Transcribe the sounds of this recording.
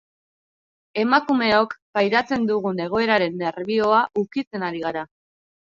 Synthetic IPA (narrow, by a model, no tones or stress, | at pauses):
e̞makume̞okpajɾat͡se̞nd̪uɣ̞une̞ɣ̞o̞e̞ɾaɾe̞nːe̞ɾβio̞aʔukit͡se̞naɾiɣaɾa